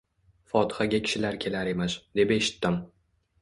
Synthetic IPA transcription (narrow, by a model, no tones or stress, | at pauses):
fɒt̪ʰɪ̥χaɡʲakʲʰɪ̥ʃɪlaɾkʲʰe̞laɾe̞masd̪e̞be̞ʃɪ̥t̪ːɪm